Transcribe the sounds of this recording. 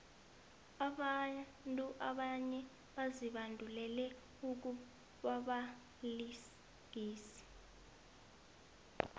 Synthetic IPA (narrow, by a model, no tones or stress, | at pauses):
aɓa | ntʼuʔaɓaɲɛ | ɓaziɓandʱulɛlɛ | uk̬u | ɓaɓa | li | ɡ̥ʱiːsi̥